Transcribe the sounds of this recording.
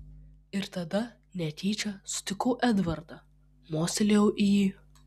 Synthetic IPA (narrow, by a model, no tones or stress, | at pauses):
ɪɾt̪ɐd̪ɐ | nʲɛt̪ʲiːt͡ʃʲɐsʊ̥t̪ʲɪkʊːʔɛd̪ʋɐɾd̪ɐ | moːsʲelʲejɛʊʔijiː